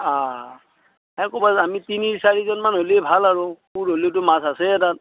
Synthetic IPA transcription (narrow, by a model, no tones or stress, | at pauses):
a | ɛkɔbazamitiniɹsaɹizɔnmanɦolebʱalaɹʊpuɹɦolit̬ʊmasasɛtat̚